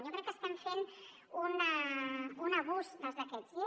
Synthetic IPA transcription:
jokɾɛkːəst̪ɛmfen | unaunaβuzd̪əlzðəkɛzi

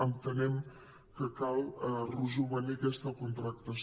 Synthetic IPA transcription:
ənt̪ənɛm | kəkalruzuβənikɛst̪əkunt̪ɾək̚t̪əs

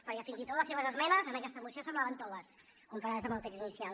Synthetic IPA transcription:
pəɾkɛfinzit̪ot̪ləseβəzəzmɛnəzənəkɛst̪əmusiosəmblaβənt̪ɔðəs | kumpaɾaðəzəməlˠt̪eksinisial

